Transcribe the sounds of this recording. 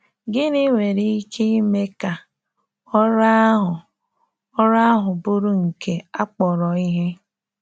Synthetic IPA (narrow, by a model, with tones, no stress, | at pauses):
ɡɪ˦ni˦ŋʷe˨ɾi˦kʰe˦i˦me˦ka˨ | ɔ˦ɾa˦ɦʊ˨ | ɔ˦ɾa˦a˦ɦʊ˨bʊ˦ɾu˦ŋ̩˨ke˨a˦k͡pɔ˨ɾɔ˨i˦ɦe˦